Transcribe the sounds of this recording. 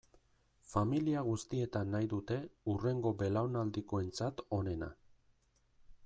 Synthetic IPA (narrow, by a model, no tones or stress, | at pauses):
familiaɣ̞ust̪ie̞t̪anːajðut̪e̞ure̞ŋɡo̞be̞lawnald̪iko̞e̞nt͡sat̪o̞ne̞na̰